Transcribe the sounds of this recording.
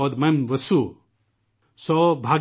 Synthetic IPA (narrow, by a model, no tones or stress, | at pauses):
od̪mɐmʋɐsu | sɔbʱaːɡ